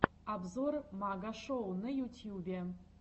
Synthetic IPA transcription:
abzormaɡaʂownɨjut̪ʲʰjubʲe

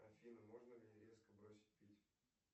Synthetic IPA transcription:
ɐfʲinəmo̞ʐnəmʲnʲeɾʲe̞skəbɾosʲɪ̥t̚ʲpʲitʲ

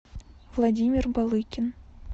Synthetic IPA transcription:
vlˠadʲimʲɪrbɑlˠɨkʲɪn

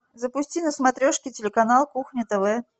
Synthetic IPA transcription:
zəpʊsʲtʲinəsmɐt̪ɾʲoʂkʲɪtʲɪlʲɪkɐnalˠkuxnʲɪt̪ɛvɛ

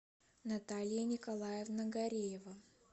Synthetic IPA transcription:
nɐt̪alʲɪjənʲɪkɐlˠajɪvnəɡɐɾʲejɪvə

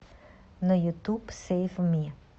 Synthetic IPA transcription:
nəjut̪upseːfmi

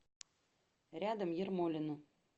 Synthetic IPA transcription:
ɾʲad̪əmjirmolʲɪnu

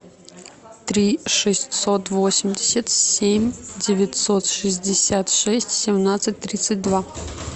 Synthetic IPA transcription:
t̪ɾʲiʂɨsʲtʲsot̪vosʲɪmʲdʲɪsʲət̪sʲemʲdʲɪvʲɪtʲsot̪ʂɨzʲdʲɪsʲat̪ʂɛsʲtʲsʲɪmnat̪sɨt̚ʲt̪ɾʲit̪sɨt̚ʲd̪va

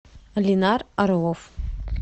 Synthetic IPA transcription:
linaraɾwof

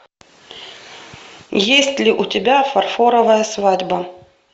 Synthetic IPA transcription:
jesʲtʲlʲɪʔʊtʲɪbʲafɐrfoɾəvəjəsvadʲbə

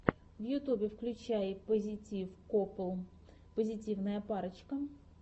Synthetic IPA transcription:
wjʊt̪ubʲiwklʲʊt͡ʃajɪpɔzʲɪtʲiwkɔplˠ | pɔzʲɪtʲiwnɐjɐpɑɾɪt͡ʃkɐ

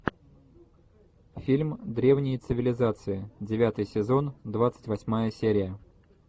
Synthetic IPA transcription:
fʲilʲmd̪ɾʲe̞vnʲɪjət̪sɨvʲɪlʲɪzat̪sɨɪdʲɪvʲat̪ɨjsʲɪzo̞nd̪vat̪sɨ̥tʲvɐsʲmajəsʲeɾʲɪjə

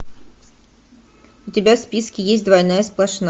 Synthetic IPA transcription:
ʊtʲɪbʲaspʲiskʲɪjesʲt̚ʲd̪vɐjnajəsplˠɐʂn

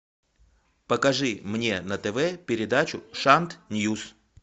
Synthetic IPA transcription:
pəkɐʐɨmnʲe̞nət̪ɛvɛpʲɪɾʲɪd̪at͡ɕʊʂant̪nʲjus

